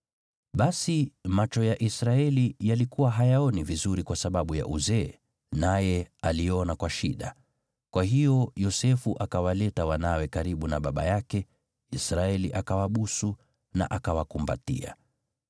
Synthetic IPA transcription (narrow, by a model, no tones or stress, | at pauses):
ɓasimat͡ʃɔjaʔisɾaɛlijalikuwaɦajaɔnivizuɾikwasaɓaɓuja̰ʔuzɛ | najɛaliɔnakwaʃiɗa̰ | kwaɦijɔjɔsɛfuʔakawalɛtawanawɛkaɾiɓunaɓaɓa̰jakɛ | isɾaɛliʔakawaɓusu | na̰ʔakawakumba̰tḭa̰